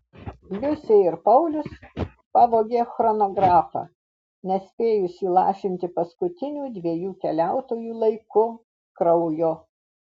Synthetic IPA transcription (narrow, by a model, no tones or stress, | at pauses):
lʲʊsʲeːɪɾpɐʊlʲʊs | pɑːʋoːɡʲeːxɾɔnoːɡɾɑːfɑ̰ː | nʲɛsʲpʲeːjʊsʲiːlˠɑ̰ːʃʲɪnʲt̪ʲɪpɐskʊt̪ʲɪnʲuːd̪ʲʋʲiɛjuːkʲɛlʲæˑʊt̪oːjuːlˠɐɪkʊ | kɾɐʊjoː